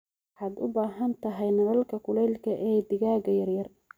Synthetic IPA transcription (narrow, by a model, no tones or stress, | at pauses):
wħaːd̪ʊ̰baːɦɐnt̪ʰɐɦɛjnɐlɐlkʰɐkʰʊlɛjlkʰɐʔɛːd̪ɪɣaːɡɐjɐrjɐr